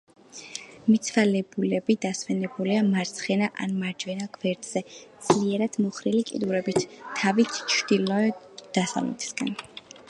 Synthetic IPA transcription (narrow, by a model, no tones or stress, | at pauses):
mit̪sʰvalɛbulɛbid̪asvɛnɛbuliamaɾt̪sʰχɛnaʔa̰nmaɾd͡ʒvɛnaɡvɛɾd̪z̥ɛd̪z̥liɛɾad̪̥mɔχɾilikʼḭd̪uɾɛbit̪ʰːavit̪ʰt͡ʃʰd̪̥ilɔɛ | d̪̥asa̰vlɛ̰t̪ʰi̥sɡa̰n